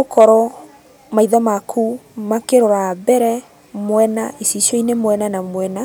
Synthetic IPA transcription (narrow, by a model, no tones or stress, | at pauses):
okʰɔɾɔ | maiðɔmakʰumakeɾɔɾabɛɾɛ | mwɛnaʔisiɕɔinemwɛnanamwɛna